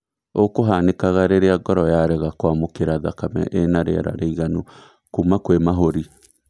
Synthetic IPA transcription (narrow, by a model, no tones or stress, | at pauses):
okoɦanekaɣaɾeɾeaɡɔɾɔjaɾɛɣakwamokeɾaðakamɛ̰ʔenaɾḛa̰ɾa̰ɾeiɣano | kuːmakwemaɦoɾi